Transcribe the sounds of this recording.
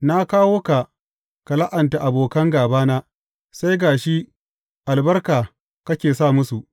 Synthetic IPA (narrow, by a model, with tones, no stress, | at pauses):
na˦kaː˦woː˦ka˨ | ka˨la˦ʔɐ˨nta˨ʔa˨boː˨kɐ˦ŋɡaː˨baː˦naː˦ | sa˦jɡaː˨ʃi˦ | ʔa˨lbɐ˦rkaː˨ | kɐ˦kʲeː˨saː˦˨mʊ˦su˨ʔ